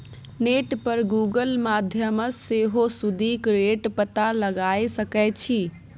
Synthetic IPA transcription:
neʈpəɾɡuɡəlmad̪ʱjəməseɦosud̪ʱikɾeʈpət̪aləɡajsəkɛt͡ʃʰi

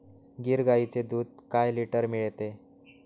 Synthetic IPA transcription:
ɡiɾɡait͡sed̪uːd̪̚kajliʈəɾmiɭt̪e

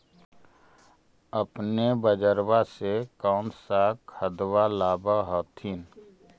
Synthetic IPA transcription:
əpnebəd͡ʒəɾwasekɔːnsakʰəd̪walaːbaɦɔːt̪ʰiːn

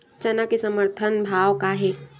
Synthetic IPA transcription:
t͡ʃɐnakesɐməɾt̪ʰənbʱaːʋkaɦɛː

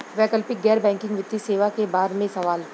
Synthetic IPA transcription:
ʋɛːkəlpɪk̚ɡɛːɾbɛ̃ːŋkɪ̃ŋɡʋɪt̪ːiseːʋakebaːɾmẽsɐʋaːl

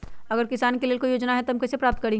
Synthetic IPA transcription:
ɐɡəɾkɪsaːnkelielkojoːd͡ʒnaɦɛt̪oɦɐmkɛːsepɾaːp̚t̪̚kɐɾẽː

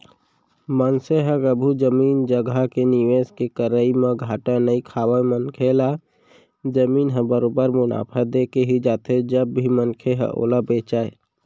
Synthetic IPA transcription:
mənseɦəkəbʱud͡ʒəmiːnd͡ʒəɡakenɪʋeːskekəɾəimẽɡʱaːʈanəikʰaːwamənkʰelaː | d͡ʒəmiːnɦə̃bəɾoːbəɾmʊna̰ːpʰəd̪eːkeɦid͡ʒaːt̪ʰed͡ʒəbːʱimənkʰeɦə̰̃ʔo̰ːlabeːt͡ʃaːe

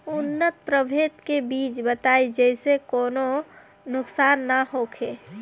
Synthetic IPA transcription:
ʊnːət̪̚pɾəbʱeːt̪kebiːt͡ʃbət̪aːid͡ʒɛɪsekoːno | nʊksaːnːaɦokʰeː

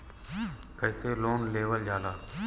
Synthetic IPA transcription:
kəːseːloːnleːʋəld͡ʒʱaːlaː

